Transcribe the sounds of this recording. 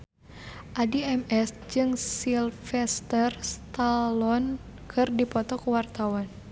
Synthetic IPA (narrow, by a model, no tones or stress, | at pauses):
ʔadiɛmɛs | d͡ʒɨŋsilfɛst̪ərst̪alɔn | kʰɨrdipɔt̪ɔkuwart̪awan